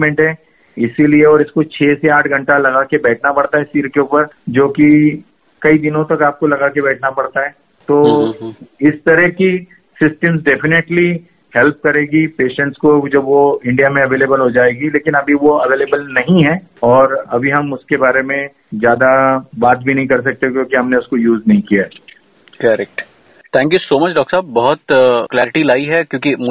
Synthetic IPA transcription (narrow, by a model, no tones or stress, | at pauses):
mɛ̃ɳʈɦɛ̃ | ɪsilieɔːɾɪskot͡ʃʰeːseaːʈʰɡʱɐ̃ɳʈalɐɣakebɛːʈʰnapɐɽt̪aɦɛsiːɾkeuːpəɾd͡ʒoːki | kɐid̪ɪnõt̪ɐkaːp̚kolɐɡakebɛːʈʰnapɐɽt̪aɦɛː | t̪oː | ɪst̪ɐɾɛɦki | sɪsʈəmsɖɛːpʰɪneʈli | hɛlp̚kɐɾeːɡipeːʃɛ̃ɳʈskod͡ʒɐbʋoɪ̃ɳɖijamẽɐʋeːleːbəlɦod͡ʒaːeːɡileːkɪnɐbʱiʋoɐʋeːleːbəlnɐɦĩɦɛ̃ː | ɔːɾɐbʱiɦɐmʊskebaːɾemẽ | zjaːd̪abaːt̪̚bʱinɐɦĩkɐɾs̬ɐk̚t̪eokjõːkiɦɐmneʊskojuːznɐɦĩkijaɦɛ | kɐɾɛk̚ʈ | t̪ʰɛ̃ːŋkjusoːmɐt͡ʃɖɔːkʈsaːbbɐɦʊt̪klɛːɾɪʈilaːiɦɛkjõːkim